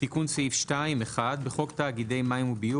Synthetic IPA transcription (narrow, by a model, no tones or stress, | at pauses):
tikunseifʃtaimeχadbeχo̞ktaːɡide̞jmaimubiu